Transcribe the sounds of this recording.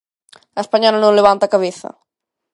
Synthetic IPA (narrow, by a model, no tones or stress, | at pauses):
aespaɲɔlanõŋleβant̪akaβeθɐ̰